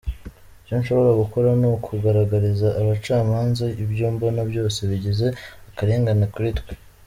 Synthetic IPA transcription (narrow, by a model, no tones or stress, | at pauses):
ijonʃo̞βo̞ɾaɡuko̞ɾanukʰuɡaɾaɡaɾizaʔːβat͡ʃaːmaːnzaibjuːmbonabjo̞ːse̞βiɟeze̞akaɾe̞ːŋɡanakuɾitɡwe̥